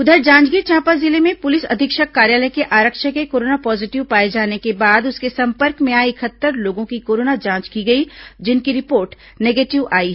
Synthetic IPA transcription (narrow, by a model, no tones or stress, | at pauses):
ʊd̪ʱəɾd͡ʒãːt͡ʃɡit͡ʃʰãːpazɪlemẽpʊlɪsɐ̰d̪ʱɪkʃəkːaːɾjaːləjkeʔaːɾəkʃəkekoːɾoːnapɔːzɪʈɪʋpaːed͡ʒaːnekebaːd̪ʊskesɐ̃mpəɾkmẽaːeɪkʰət̪ːəɾloːɡõkikoːɾoːnad͡ʒãːt͡ʃkiɡɐid͡ʒɪnkiɾɪpoːɾʈ | neːɡeːʈɪʋaːiɦɛ